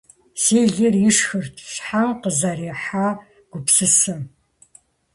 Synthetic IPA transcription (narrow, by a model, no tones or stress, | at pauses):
seːɮɪrjɪʂxɨrtʰɕħamqəzɐreːħaː | ɡ̥ʷʊpsɨsɨm